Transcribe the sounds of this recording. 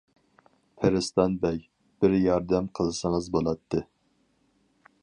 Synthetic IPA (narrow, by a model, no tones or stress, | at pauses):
pʰɪɾɪst̪ɑnbɛj | b̥ɪɾjɑɾd̪ɛmqʰəlˠɨsəŋəzbolˠɑt̪ʰːɨ